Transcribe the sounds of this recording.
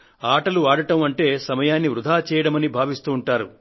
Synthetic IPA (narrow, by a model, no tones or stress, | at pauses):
aːʈɐluaːɽɐʈɐmɐɳʈe̞ːsɐmɐjaːnːiʋɾud̪ʱaːt͡ʃɛːjɐɽɐmɐnibʱaːʋist̪uːɳʈaːɾu